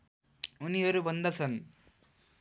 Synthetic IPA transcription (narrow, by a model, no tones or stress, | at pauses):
uniɦʌɾubʱʌnd̪at͡sʰʌn